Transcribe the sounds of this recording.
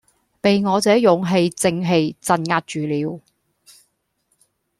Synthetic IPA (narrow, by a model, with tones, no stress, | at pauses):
pe˨jŋɔː˨˧t͡sɛː˨˥jʊ˨˧ŋɦe˧jt͡sɪ˧ŋɦe˧jt͡sɐ˧nŋaː˧t̚t͡ʃyː˨˧liː˨˧w